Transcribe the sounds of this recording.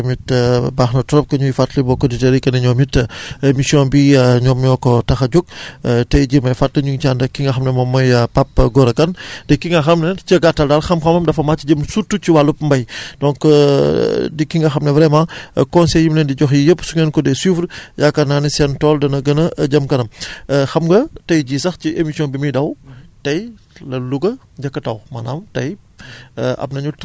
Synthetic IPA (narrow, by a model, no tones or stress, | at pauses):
mitbaːxnɐtɔɾɔp̚kɐɲujifatlɐbɔkɔditeɾikɐniɲɔmitɐmisiɔnbiɲɔːmɲɔkɔtɐxɐɟuk̚tɛjɟimɐjfatlɐɲuŋt͡ʃaːndɐkːiŋɡɐxɐmnɐmɔmːɐjɐpapːɡɔɾɐkɐndɛkːiŋɡɐxɐmnɐt͡ʃɐɡatːɐldaːlxɐmxɐmɐmdɐfɐmaːt͡ʃiɟəmsutːuciwalupmbɐjd̥ɔ̃ŋk | dikiŋɡɐxɐmnɐvɾɛmãːkɔnsɛjːimlɛndiɟɔxjijəpːsuŋɛnkɔdɛsufɾjakɐnaːnisɛntɔːldɐnɐɡɐnɐɟɐmkɐnɐmxɐmɡɐtɐjɟiːsɐxciʔemisijɔ̃bimidɐwtɐj | lɐluɡɐ | ɟɐkːɐtɐwmɐnaːmtɐj | ʔɐ̰p̚nɐɲut